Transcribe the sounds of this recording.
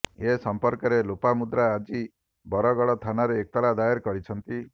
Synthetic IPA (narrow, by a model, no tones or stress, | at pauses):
esɔmpɔɾkɔɾelopamud̪ɾaːd͡ʒi | bɔɾɔɡɔɭɔt̪ʰanaɾeːk̚t̪ɔɭad̪ajeɾkɔɽit͡ʃʰɔnt̪i